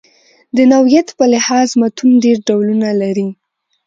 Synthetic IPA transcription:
d̪ənawjat̪pəlɪhɑzmat̪unɖeɾɖawlunalaɾi

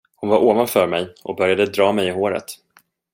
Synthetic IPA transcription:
hʊnvaɾʔoːvanfœɾmɛjʔɔk̚bœɾjad̪əd̪ɾɑːmɛjɪɦoːɾə̰t̪

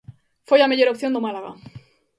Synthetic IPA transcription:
fojameʎoɾopθjond̪omalaɣa̰

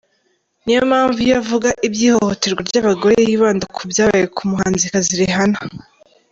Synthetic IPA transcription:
nijomaːɱvujavuɡaʔibjiːho̞ho̞te̞ɾɡwaɾɟaβaɡo̞ɾejiːβaːndakʰubjaːβajekʰumuɦaːnzikaziɾiɦana

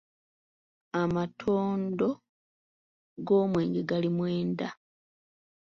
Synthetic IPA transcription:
amatʰoːndo̞ | ɡoːmwe̞ːŋɡe̞ɡalimweːnda

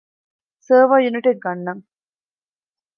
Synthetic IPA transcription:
səːʋaːjuniʈeʈ̚ɡɐnːɐŋ

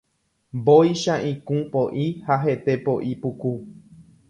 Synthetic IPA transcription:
bojʃaʔĩkũpoʔihaɦe̞t̪e̞poʔipuku

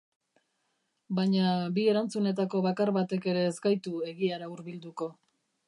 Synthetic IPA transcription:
baɲabie̞ɾant͡sune̞t̪ako̞βakaɾβat̪e̞ke̞ɾe̞ːzɡajt̪ue̞ɣiaɾauɾβild̪uko̞

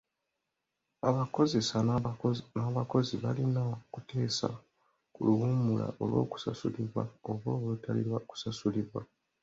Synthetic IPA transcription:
aβako̞ze̞sa | naːβako̞ziβalinaokutʰe̞ːsa̰ | kuluwumula̰ʔo̞lwo̞̰ːku̥sa̰suliβwaoβwoːβutʰalḭɾwaku̥sasuliβwa

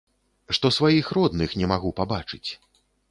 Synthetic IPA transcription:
ʂt̪ɔsvajixɾɔd̪nɨxnʲɛmaɣupabat͡ʂɨt͡sʲ

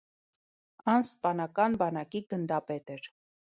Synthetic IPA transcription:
ɑnspɑnɑkɑnbɑnɑkiɡənd̪ɑpɛt̪ɛɾ

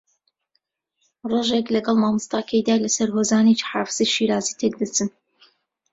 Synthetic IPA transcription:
roːʒeklɐɡɑlˠmaːmɨst̪aːkʰejd̪aːlɐsɐɾɦoːzaːnet͡ʃi̥ħaːfɨz̥ejʃiɾaːzit̪ʰek̚d̪ɐt͡sʰɨn

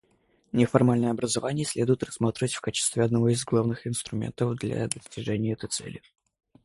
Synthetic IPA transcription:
nʲɪfɐrmalʲnəjəɐbɾəzɐvanʲɪjəsʲlʲe̞d̪ʊjɪt̪rɐsmat̪ɾʲɪvətʲfkat͡ɕɪ̥st̪vʲɪɐd̪nɐvo̞ɪzɡlˠavnɨxɪnst̪ɾʊmʲḛnt̪əvd̪lʲɐ̰d̪əsʲtʲɪʐɛnʲɪjəɛt̪əjt̪sɛ̰lʲɪ

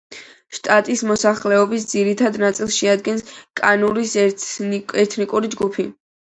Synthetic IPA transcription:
ʃt̪ʼat̪ʼismɔsaχlɛɔbisd̪ziɾit̪ʰad̪nat̪sʼilˠsʃɛad̪ɡɛnskʼanuɾis | ɛɾt̪ʰnikʼuɾid͡ʒɡupʰi

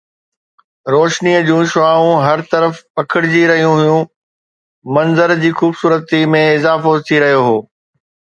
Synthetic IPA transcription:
ɾoːʃniəd͡ʑũːʃʊaːũɦɐɾt̪ɐɾəfpɐkʰəɽɪd͡ʑiɾɐɦijũɦʊjũ | mɐ̃nzəɾd͡ʑiːxuːbsuːɾət̪imẽɪzaːfot̪ʰiɾɐɦijoɦoː

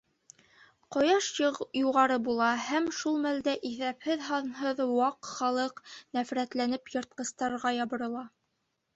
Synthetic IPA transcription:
qŏjɑʃjuʁɑɾɤbulˠɑhæmʃulˠmæld̪æʔiθæphɘðɦɑnɦɤðwɑqχɑlˠɤqnæfɾæt̪lænɘpjɤ̆ɾt̪̚qɤ̆st̪ɑɾʁɑjɑβɤ̆ɾɤ̆lˠɑ

